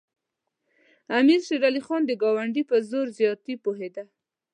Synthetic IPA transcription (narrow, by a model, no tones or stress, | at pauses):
amiɾʃeɾalixɑnd̪əɡɑwaɳɖipəzoɾzjɑt̪ipoɦed̪a